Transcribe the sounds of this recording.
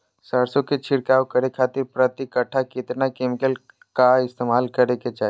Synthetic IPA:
sɐɾsõket͡ʃʰɪɽkaːwkɐɾekʰaːt̪ɪɾpɾɐt̪ikɐʈʰːakɪt̪nakemɪkəl | kaɪst̪eːmaːlkɐɾeket͡ʃaː

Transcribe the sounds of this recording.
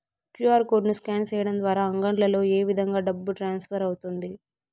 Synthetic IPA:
kjuaːɾko̞ːɖnuskaːnt͡ʃɛːjɐɽɐmd̪ʋaːɾaːɐŋɡɐɳɖlɐlo̞ːe̞ːʋid̪ʱɐŋɡaːɖɐbːuʈɾaːnspʰɐɾɐwut̪und̪i

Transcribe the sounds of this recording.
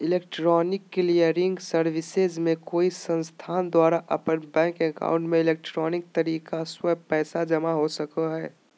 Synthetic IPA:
ɪleːk̚ʈɾɔːnɪkːɪlijəɾɪ̃ŋɡsəɾʋɪsezmẽkoːisə̃nst̪ʰaːnd̪waːɾaʔəpənbɛ̃ːŋkeka̰ːʊ̃ɳʈmẽɪleːk̚ʈɾɔːnɪk̚t̪əɾiːkaswəpɛːsad͡ʒɐmaɦosəkəɦɛː

